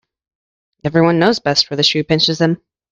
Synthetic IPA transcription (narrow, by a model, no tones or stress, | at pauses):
ɛvɹiwʌ̃nːoʊzbɛstfə˞ðɨʃʉpɪ̃nt͡ʃɨzðɨ̃m